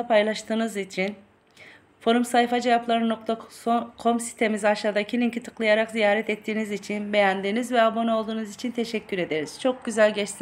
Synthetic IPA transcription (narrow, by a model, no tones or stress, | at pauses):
apʰajlˠaʃt̪ʰɯːnɯzit͡ʃʰin | fo̞ɾumsajfad͡ʒevaplˠaɾɯno̞k̚t̪ʰakʰo̞msi̥st̪ʰe̞mizaʃaːd̪acʰilʲincʰit̪ʰɯ̥klˠajaɾakzijaːɾɛt̪ʰɛt̪ʰːiːnizit͡ʃʰinbe̞jænd̪inizvɛabo̞no̞lˠd̪uːnɯzit͡ʃʰint̪ʰe̞ʃɛcːyɾe̞d̪e̞ɾiz̥t͡ʃʰo̞k̚ɟyzælʲɟɛt͡ʃt̪